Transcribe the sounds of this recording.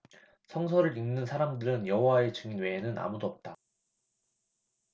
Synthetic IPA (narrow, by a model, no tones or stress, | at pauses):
sʰʌŋs̬ʰʌɾɯɾiŋnɯnsʰaɾamdɯɾɯnjʌɦowae̞t͡ɕɯŋinwe̞ːnɯnʔa̰mudoʌp̚t͈a